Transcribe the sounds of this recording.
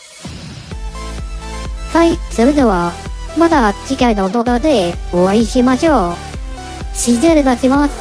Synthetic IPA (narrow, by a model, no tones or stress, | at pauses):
haisoɾɯd̪eβamad̪at͡ɕikainoːt̪oɡ̪ad̪eoβaiɕimaɕoː | ɕizeɾɯd̪aɕimas